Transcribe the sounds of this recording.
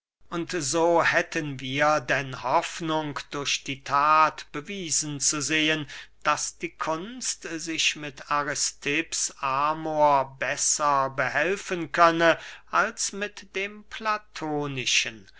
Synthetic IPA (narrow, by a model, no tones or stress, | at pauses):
ʔʊntzoːhɛtənviːɐdɛnhɔfnʊŋkd̥ʊɐʃd̥iːtʰaːtb̥əviːzən̩t͡suzeːənd̥asd̥iːkʰʊnstzɪʃmɪtaʁɪstʰɪpsaːmoɐbɛsɐbəɦɛlfənkʰœnəʔalsmɪtd̥eːmplatʰoːnɪʃən